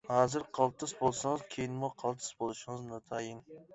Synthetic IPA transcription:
hɑːzɨɾqʰɑlˠt̪ʰɨsbolˠsɨŋɨz̥kʲʰejinmuqʰɑlˠt̪ʰɨ̥sbolˠɨʃɪŋɨznɨt̪ʰɑjin

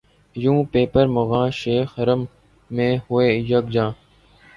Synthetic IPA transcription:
jũːpeːpəɾmʊɣãːʃeːxəɾəmː | ẽːhʊeːjəɡd͡ʒãː

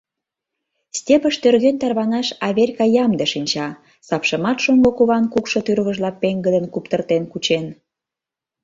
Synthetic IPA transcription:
stʲepə̆ʃt̪ørɣent̪ɑrβɑnɑʃɑβʲerʲkɑjɑmd̪eʃinʲt͡ɕɑ | sɑpʃə̆mɑt̪ʃombokuβɑnkukʃŏt̪yɾβə̆ʒlɑpeŋɡə̆d̪ənkupt̪ərt̪enkut͡ɕen

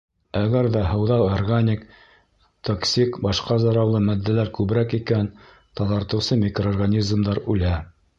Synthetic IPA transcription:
æɡæɾðæɦɤ̆wðɑwˠorɡanʲik | t̪oksʲikbɑʃqɑzɑ̆ɾɑwlˠɤmæd̪ːælæɾkʉβɾækikæn | t̪ɑðɑɾt̪ɤ̆wsɤmʲikroorɡanʲizmd̪ɑɾʉlæ

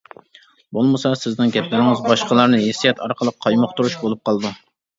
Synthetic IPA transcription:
bolˠmɨsɑsɪznɪnɡʲɛplɪnɪŋɪzbɑʃqəlˠɑɾnɨjesijɛt̪ʰɑɾqʰəlˠəqʰːɑjmʊχt̪uɾuʃbolˠup̚qʰɑlˠɨd̪u

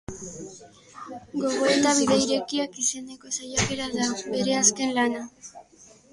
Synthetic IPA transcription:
ɡo̞ɣ̞o̞e̞t̪aβiðeiɾe̞kiakise̞ne̞ko̞sajake̞ɾaðaβe̞ɾe̞aske̞nlana

